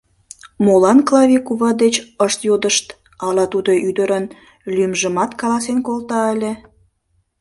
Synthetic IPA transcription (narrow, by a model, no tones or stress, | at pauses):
molɑnklɑvʲikuβɑd̪et͡ɕəʃt̪jod̪əʃt̪ | ɑlɑt̪ud̪oʔyd̪əɾən | lymʒəmɑt̪kɑlɑsenkolt̪ɑəlʲe